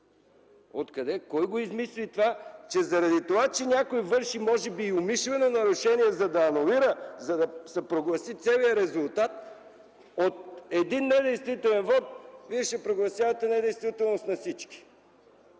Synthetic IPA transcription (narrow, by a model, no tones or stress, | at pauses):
ot̪kɐd̪ɛkɔjɡoizmislit̪ovat͡ʃɛzɐɾɐd̪it̪ovat͡ʃɛnʲakojvɤɾʃimɔʒɛbiːomiʃlɛnonɐɾuʃɛniɛzɐd̪ɐːnuliɾəzɐd̪ɐsɛpɾoɡlˠɐsit̪sɛlijəɾɛzʊlˠt̪at̪ | ot̪̚ɛd̪inːɛd̪ɛjst̪vit̪ɛlɛnvɔt̪̚viɛʃɛpɾoɡlˠɐsjavɐt̪ɛnɛd̪ɛjst̪vit̪ɛlˠnost̪nɐfsit͡ʃki̥